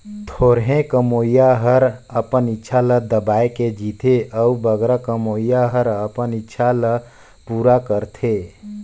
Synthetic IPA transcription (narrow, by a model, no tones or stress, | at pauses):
t̪ʰoːɾɦẽkəmoːijaɦəɾəpənɪtːʃʰaləd̪əbaːeked͡ʒiːt̪ʰeʔəubəɡɾakəmoːijaɦəɾəpənɪtːʃʰalə | puːɾakəɾt̪ʰeː